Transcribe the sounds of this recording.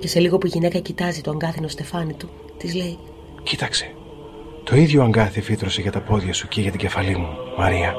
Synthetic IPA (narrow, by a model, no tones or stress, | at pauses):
ce̞se̞liɣo̞puiʝine̞kɐcit̪ɐzit̪oɐŋɡɐθino̞st̪e̞fɐnit̪u | t̪izle̞i | cit̪ɐkse̞̥ | t̪o̞iðʝo̞ɐŋɡɐθiefit̪ɾo̞se̞ʝɐt̪ɐpo̞ðʝɐsuceʝɐt̪iɟe̞fɐlimumɐɾiɐ